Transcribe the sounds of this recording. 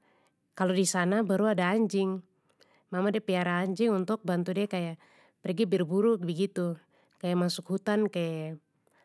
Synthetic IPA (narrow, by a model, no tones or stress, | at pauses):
kalodisanabaɾuadaːɲd͡ʒɪŋ | mamadiapiaɾaːɲd͡ʒɪŋunt̪ʊk̚bant̪udiakaja | pɛrɡibɛrbuɾuk̚bɛɡit̪u | kajamasukhut̪ankaja